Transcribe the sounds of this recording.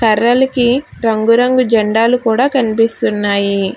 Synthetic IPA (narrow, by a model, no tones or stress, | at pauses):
kɐɾːɐlɐkiɾɐŋɡuɾɐŋɡud͡ʒɐɳɖaːlukuːɽaːkɐnipist̪unːaːji